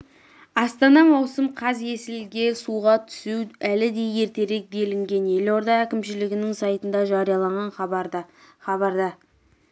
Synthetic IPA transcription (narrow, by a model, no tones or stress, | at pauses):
ɑst̪ɑnɑmɑwsəmqʰɑzje̞sɪlɡʲe̞suʁɑt̪ʰʏ̥suwælɪd̪e̞je̞ɾt̪e̞ɾe̞k̚be̞lɪŋɡʲe̞nje̞lo̞ɾd̪ɑækʲɪmʃɪlɪɡʲɪnɪŋsɑjt̪ənd̪ɑʒɑɾijɑlˠɑɴʁɑn | χɑbɑɾd̪ɑ